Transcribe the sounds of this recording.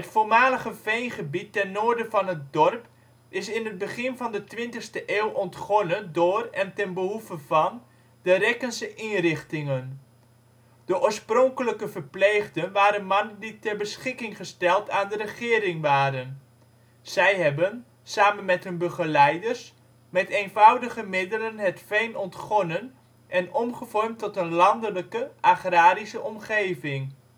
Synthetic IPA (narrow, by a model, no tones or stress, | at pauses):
ɦətfoːlmaːləɣəfejnχəbitːɛnːʊːɹdəvɑnɦət̚dɔrp | ɪsɪnɦəd̚bəχɪnvɑndətʋɪntəxstəʔeːwʔɔntχɔnəndʊːrɛntɛnbəɦuvəvɑn | d̥əɾɛkənsəʔinrɪχtɪŋən | d̥əʔʊːɹsprɔŋkələkəvərpleːɣdənʋaːɾənmɑnənditɛrbəsχɪkɪŋχəstɛlˠtaːndərəχɪːɾɪŋʋaːɾən | zɛjɦɛbən | saːmənmɛtɦɵnbəχəlɛjdərs | mɛtejnvɑwdəχəmɪdələnɦətfejnɔntχɔnən | ʔɛnɔmχəvɔrmtɔtənlɑndələkəʔaχraːɾisəʔɔmχejvɪŋ